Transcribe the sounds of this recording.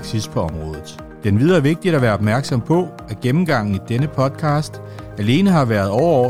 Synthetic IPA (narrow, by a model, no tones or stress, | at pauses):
ɡ̥sispʰɒ̽ɒ̽mʁɔ̽ːðˠð̞̩ˠ | d̥enʋið̞ˠɐʋe̝ɡ̥̚d̥idæʋæːɐɒ̽b̥mæɐɡ̥sɒ̽mpʰɒ̽ | æɐɡ̥emm̩ɡ̥ɑ̈ŋ̰n̩id̥enəpʰɒ̽d̥kʰɑ̈ːsd̥ | æle̝ːnəɦɑ̈ʋæːɐð̞ˠɒʊɐɒ